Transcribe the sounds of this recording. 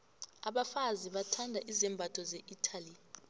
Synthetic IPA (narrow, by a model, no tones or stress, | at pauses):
aɓafaziɓatʰandʱaʔizɛmbʱatʰɔzeʔitʰali